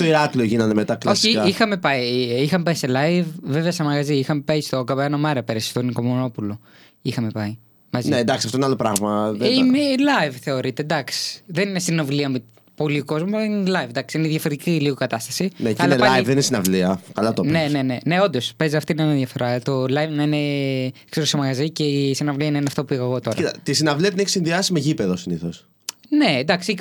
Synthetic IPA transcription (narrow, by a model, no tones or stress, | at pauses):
t̪oiɾɐklioʝinɐnd̪emet̪ɐklosçiaixɐme̞pɐiixɐmepɐiselɐjvveveɐsɐmɐɣɐziixɐmepɐist̪o̞kɐβeɐnomɐɾɐpeɾɐsst̪oniko̞mono̞pulo̞ | ixɐme̞pɐi | mɐzinend̪ɐksiɐft̪oinalo̞pɾɐɣmɐðimelɐjvθe̞o̞ɾit̪ed̪ɐksi̥ðe̞ninest̪inɐvliɐmi | po̞lioko̞zmuɐlɐninelɐjvnd̪ɐksiineðʝɐfoɾet̪iciliɣokɐt̪ɐst̪ɐsinecɐilɐlɐɐivðeninesinɐvliɐkɐlɐt̪one̞ne̞ne̞ne̞o̞nd̪o̞spezeɐft̪inɐineðjʝɐfo̞ɾɐt̪o̞lɐjvnɐine̞kseɾosemɐɣɐzice̞isinɐvliɐinɐineɐft̪opuiɣɐɣo̞t̪o̞ɾɐt̪t̪isinɐvliɐt̪ineçi̥sinðiɐsimeʝipeðosiniθos | ne̞nd̪ɐksi